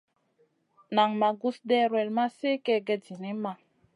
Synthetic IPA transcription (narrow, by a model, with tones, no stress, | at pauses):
na˨ŋma˨ɡu˦sdɛ˦ɾwɛ˨lma˦se˦kɛ˦ɡɛ˨di˨ni˦ma˨